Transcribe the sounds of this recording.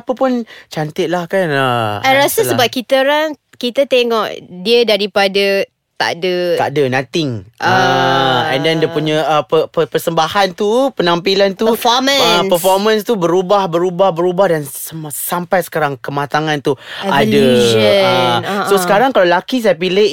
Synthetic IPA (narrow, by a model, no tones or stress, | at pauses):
pəpʊnt͡ʃant̪ɪt̪̚lahkanəaɾasəəbap̚kit̪əɾaŋ | kit̪ət̪eŋɔʔdiədaɾipadə | t̪a̰ʔdət̪a̰dənãt̪ɪŋʔə | ɛ̰̃ndɛndiəpuɲə̃əpəpəpərsəmbahant̪upənampilant̪uəfɔmə̃əspəfɔmãnst̪ubəɾubahbəɾubahbəɾubahdansəsampajsə̥kaɾaŋkəmat̪aŋãnt̪uadəəəsosəkaɾaŋkalalakis̬ajap̬ilɪ